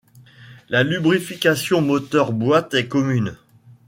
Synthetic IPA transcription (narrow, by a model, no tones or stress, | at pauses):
lalybʁifikʲasjɔ̃mɔt̪œʁbwat̪ɛkɔmyn